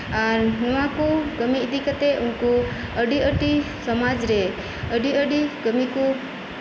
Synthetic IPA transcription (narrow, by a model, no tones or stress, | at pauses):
aɾnuwãkuɡəmiid̪ikət̪eʔunko | əɖiəʈi | sɔmad͡ʒɾe | əɖiəɖiɡəmiku